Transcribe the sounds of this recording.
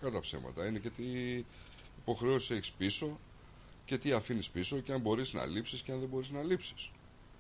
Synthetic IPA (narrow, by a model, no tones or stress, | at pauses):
kɐt̪ɐpse̞̰mɐ̰t̪ɐine̞ce̞t̪i | ipo̞xɾe̞osi̥seçi̥spiso̞ | ce̞t̪iɐfinispiso̞ceɐmbo̞ɾiznɐ̰lipsisceɐnðe̞bo̞ɾiznɐlipsi̥s